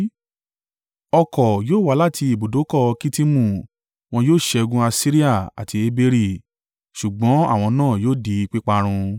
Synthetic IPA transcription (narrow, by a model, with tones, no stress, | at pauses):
ɔ˧kɔ˨joː˦˨wa˨˦la˦˨tʰi˧i˨bo˨do˨˦kɔ˦˨˧ki˦ti˦mũ˦˨ | w̃ɔ̃˧joː˦˨ʃɛ˧o˧ɡũ˦a˧si˦ɾi˦a˦˨a̰˨tʰi˧e˧be˧ɾi˦˨ | ʃu˨ɡ͡bɔ̃˨˦a˦˨w̃ɔ̃˧nãː˦˨joː˦˨di˧i˧k͡pi˦k͡pa˧ɾ̃ũ˧